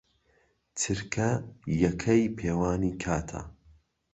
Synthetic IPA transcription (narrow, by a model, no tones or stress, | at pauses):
t͡sʰɨɾkʰɐjɐkʰɐjpʰeːwaːniːkʰaːt̪ʰɐ̰